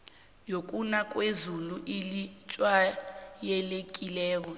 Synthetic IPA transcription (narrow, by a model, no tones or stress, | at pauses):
jok̬ʼunak̬ʼwezuluʔilit͡ʃʼwajɛlek̬ʼilɛːk̬ɔ